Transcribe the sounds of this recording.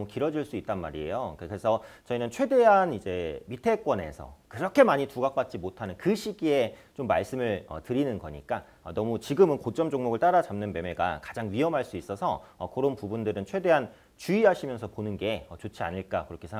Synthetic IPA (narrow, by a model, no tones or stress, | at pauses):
mukiɾʌd͡ʑiɭs͈uit̚t͈anma̰ɾie̞̰jokkɯɾesʰʌt͡ɕʌinɯnt͡ɕʰwe̞de̞ɦanid͡ʑe̞mitʰek͈wʌne̞̰sʰʌ̰kɯɾʌkʰe̞maɲituɡak̚p͈at̚t͡ɕ͈imotʰanɯnkɯɕʰiɡie̞t͡ɕomːa̰ɭs͈ɯmɯɭʌ̰tɯɾinɯnɡʌ̰ɲḭk͈a | ʌnʌmut͡ɕiɡɯmɯnkot͡ɕ͈ʌmd͡ʑoŋmoɡɯɭt͈aɾad͡ʑamnɯnme̞me̞ɡa̰kḁd͡ʑaŋɥiʌmɦaɭs͈uis͈ʌsʰʌʌ̰kʰoɾonpubundɯɾɯnt͡ɕʰwe̞de̞ɦan | t͡ɕuiɦaɕʰimjʌnsʰʌponɯnɡe̞ʌt͡ɕot͡ɕʰia̰ɲiɭk͈akɯɾʌkʰesʰa